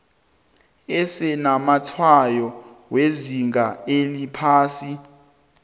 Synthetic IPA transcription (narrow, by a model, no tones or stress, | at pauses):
ɛsɛnamatʰwajɔweziŋɡaelipʰaːsi